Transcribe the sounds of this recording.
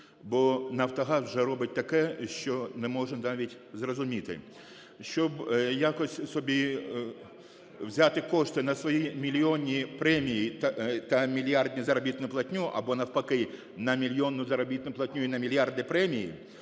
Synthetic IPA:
bɔnɐwt̪ɔɦɑswʒɛɾɔbɪt̚ʲt̪ɐkɛʃt͡ʃɔnɛmɔʒɛnɑʋʲitʲ | zrɔzʊmʲit̪ɪ̰ | ʃt͡ʃɔbjakɔsʲsɔbʲi | wzʲat̪ɪkɔʂt̪ɪnɐsʋɔjimʲilʲiɔnʲːipɾɛmʲijit̪ɐmʲilʲjɑrdʲnʲizɐɾɔbʲit̪nʊplˠɐtʲnʲuʔɐ̰bɔnɐwpɐkɪ | nɐmʲilʲjɔnːʊzɐɾɔbʲit̪nʊplˠɐtʲnʲuinɐmʲilʲjɑrd̪ɪpɾɛmʲijḭ

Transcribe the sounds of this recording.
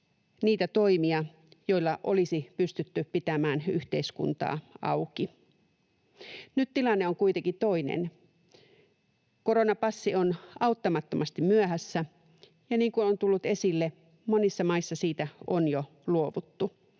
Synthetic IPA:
niːt̪æt̪oimiɑ | jo̞ilːɑʔolisipyst̪yt̪ːypit̪æmæːnyht̪eiskṵnt̪ɑ̰ːɑ̰uki | nyt̪t̪ilɑnːeoŋkuit̪eŋkit̪o̞inḛn | koɾonɑpɑsːionɑut̪ːɑmɑt̪ːomɑst̪immyæhæsːæ | jɑniːŋkunont̪ulːut̪e̞silːe | monisːɑmɑisːɑsiːt̪æonjo | luoʋut̪ːu

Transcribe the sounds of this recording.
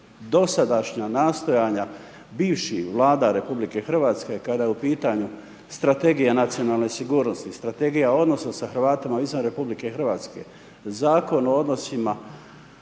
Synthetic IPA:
d̪o̞sad̪aʃɲanaːst̪o̞jaːɲa | biːʋʃihʋlˠaːd̪aɾe̞publike̞xr̩ʋaːt̪ske̞kad̪ajeupiːt̪aɲu | st̪ɾat̪e̞ɡijanat̪sijo̞naːlˠne̞siɡuːɾno̞st̪ist̪ɾat̪e̞ɡijao̞d̪no̞sosaxr̩ʋaːt̪imaizanɾe̞publike̞xr̩ʋaːt̪ske̞̰ | zaːko̞nood̪no̞sima

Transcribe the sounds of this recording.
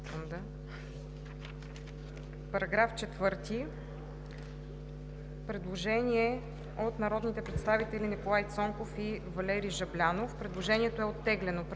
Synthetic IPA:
d̪a | pɐɾɐɡɾaft͡ʃɛt̪vɤɾt̪i | pɾɛd̪lˠoʒɛnʲiɛ | ot̪nɐɾɔd̪nit̪ɛpɾɛt̪st̪avit̪ɛlinikolˠajt̪sɔŋkofivɐlɛɾiʒɐblʲanofpɾɛd̪lˠoʒɛniɛt̪oɛot̪ːɛɡlɛnop

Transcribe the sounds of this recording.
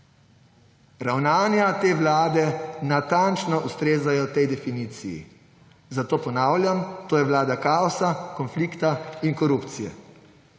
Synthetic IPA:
ɾawnaːnjat̪eːʋlaːd̪ɛnat̪ant͡ʃnɔʔust̪ɾeːzajɔt̪ɛjd̪ɛfiniːt̪sijḭ | zat̪oːpɔnaːwlʲjamt̪oːjɛʋlaːd̪akaːɔsakɔnflikt̪ainkɔɾupt̪sijɛ̰

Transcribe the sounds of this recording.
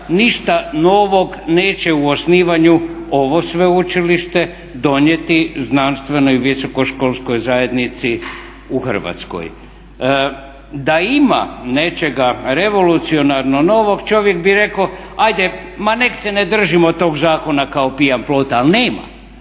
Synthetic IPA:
niʃt̪ano̞ʋo̞ɡne̞ːt͡ɕeuosniːʋaɲuo̞ʋo̞sʋeut͡ʃiliʃt̪e̞ | d̪o̞ɲje̞t̪iznanst̪ʋe̞no̞juʋiso̞ko̞ʃko̞lˠsko̞jzaje̞d̪nit̪si | uxər̩ʋa̰t̪sko̰j | d̪aima̰ne̞t͡ʃe̞ɡaɾe̞ʋo̞lut̪sio̞naɾnono̞ʋo̞ɡt͡ʃo̞ʋje̞kbiɾe̞koajd̪emaneksened̪r̩ʒimot̪ːo̞ːɡzaːko̞nakaopiamploːt̪alneːma̰

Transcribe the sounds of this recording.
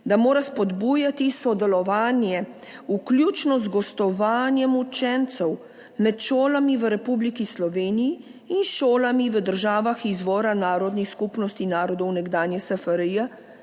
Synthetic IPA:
d̪amoːɾaspɔd̪buːjat̪isɔd̪ɛlɔʋaːnjɛ | ukljuːt͡ʃnɔzɡɔst̪ɔʋaːnjɛmut͡ʃɛnt̪sɛw | mɛt̪ʃoːlamiʋəɾɛpublikislɔʋeːnijiː | nʃoːlamiʋəd̪əɾʒaːʋaxizʋɔːɾanaːɾɔd̪nixskupnɔst̪inaːɾɔd̪ɔwnɛɡd̪aːnjɛsəfəɾəjɛ

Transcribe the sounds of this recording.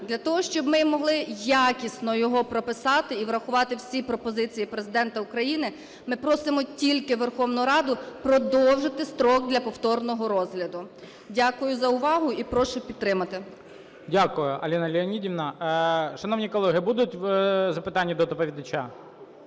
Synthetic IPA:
d̪lʲɐt̪ɔɦɔʃt͡ʃɔbmɪmɔɦlˠɪjakʲisnɔjɔɦɔpɾɔpɪsɑt̪ɪiʋɾɐxʊʋɑt̪ɪwsʲipɾɔpɔzɪt͡sʲijipɾezɪd̪ɛnt̪ɐʊkɾɐjinɪ | mɪpɾɔsɪmɔtʲilʲkɪʋerxɔwnʊɾɑd̪ʊpɾɔd̪ɔwʒɪt̪ɪst̪ɾɔɡ̚d̪lʲɐpɔwt̪ɔrnɔɦɔɾɔzɦlʲɐd̪ʊ | dʲakʊjʊzɐʊʋɑɦʊipɾɔʃʊpʲid̪t̪ːɾɪmɐt̪ɪ | dʲakʊjʊʔɐ̰lʲinɐlʲɪɔnʲidʲiʋnɐʃɐnɔwnʲikɔlˠɛɦɪibud̪ʊtʲwzɐpɪt̪ɑnʲːid̪ɔd̪ɔpɔʋʲid̪ɐt͡ʃa

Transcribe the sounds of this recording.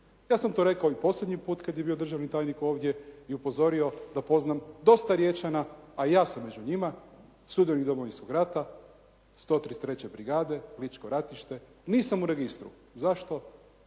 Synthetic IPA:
jaːsamt̪o̞ːɾe̞kaoipo̞slʲed̪ɲipuːt̪kad̪jebiːo̞d̪ɾr̩ʒaʋnit̪aːjniko̞ːʋd̪je̞iupo̞zo̞ɾio̞d̪apo̞znamd̪o̞st̪aɾje̞t͡ʃanaajaːsamːe̞d͡ʑuɲima | st̪ud̪ijonid̪omoʋinskoɡɾat̪a | st̪o̞ːt̪ɾist̪ɾet͡ɕe̞bɾiɡaːd̪e̞lit͡ʃkoɾat̪iʃt̪e̞ | niːsamuɾeɡist̪ɾṵ | zaʃt̪o̞

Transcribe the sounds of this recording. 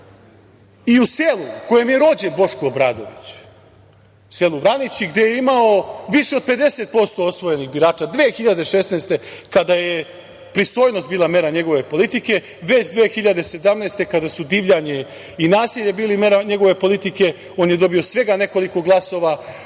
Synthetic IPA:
iuselˠuko̞jemje̞ɾo̞ːd͡ʑenbo̞ʃkuobɾaːd̪o̞̰ʋit͡ɕ | se̞lˠuʋɾanit͡ɕiɡd̪e̞jeimaoʋiʂeo̞d̪̚pe̞d̪e̞set̪̚po̞st̪o̞osʋo̞jeniɣbiɾaːt͡ʃad̪ʋeːxiʎad̪e̞ʃesneːst̪e̞kad̪aje | pɾist̪o̞ːjno̞st̪biːlˠame̞ɾaɲe̞ɡo̞ʋe̞po̞lˠit̪ike̞ | ʋe̞t͡ɕd̪ʋeːxiʎad̪ese̞d̪amneːst̪e̞kad̪asud̪iːʋʎaɲe | inaːsiʎe̞biːlime̞ɾaɲe̞ɡo̞ʋe̞po̞lit̪ike̞ | oːnjed̪o̞biosʋe̞ɡane̞ko̞liko̞ɡlˠaso̞ʋa

